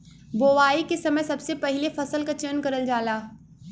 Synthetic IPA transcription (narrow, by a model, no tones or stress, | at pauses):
boːʋaːikesɐməjsɐbsepɛɦɪlefɐsəlkat͡ʃənkɐɾəld͡ʒaːlaː